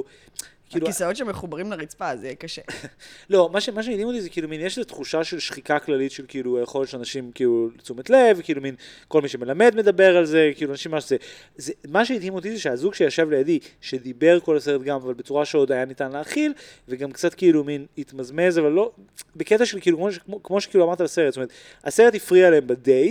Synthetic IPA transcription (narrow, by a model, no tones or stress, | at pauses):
kiːluisaott͡ʃʃemeχubaʁimlaʁit͡spazekaʃelo̞maʃemaʃ̬emid̪imot̪izekiːluminjeʃlezet̪χuʃaʃe̞lʃχikaklalit̪ʃe̞lkiilujeχo̞lett͡ʃʃeanaʃimkiːlult͡sumet̪le̞vkiiluminko̞lmiʃe̞me̞lame̞d̪me̞d̪abe̞ʁalze̞kiːluanaʃimːaʃze | zemaʃeid̪himot̪izeʃeazuɡʃejaʃevlejad̪iʃed̪ibe̞ʁko̞laseʁetɡamavalbet͡suʁaʃeo̞d̪ajanit̪anleaːχilveɡamkt͡sat̪keiluminit̪mazmezavalːo̞ | beket̪aʃelkiːlukoʃokmo̞ʃe̥kiːluamaʁt̪alaseʁet̪stoeet | a̰seʁet̪ifʁialeembad̪ej